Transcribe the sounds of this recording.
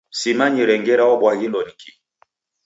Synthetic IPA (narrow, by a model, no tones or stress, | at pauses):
simaɲiɾɛŋɡɛɾaɔɓwaɡindɔnikʰi